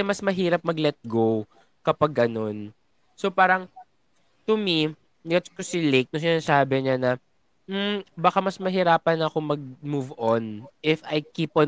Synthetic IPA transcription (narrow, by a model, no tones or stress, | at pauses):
ɛmɐsmɐɦiːɾɐp̚mɐɡlɛt̪̚ɡow | kɐpaɡːɐno̞n | sopaːɾɐŋ | t̪ʊmi | lɛt̪skʊsɪlejk̚nʊsɪnasaːbɪɲɐnɐ | m̩bɐkamɐsmɐɦɪɾaːpɐnɐkomɐɡ̚muvonʔɪfɐjkiːpɔn